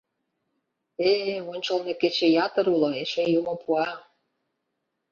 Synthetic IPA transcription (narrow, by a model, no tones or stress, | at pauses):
eonʲt͡ɕolneket͡ɕejɑt̪ɤɾuloeʃejumopʰuɑ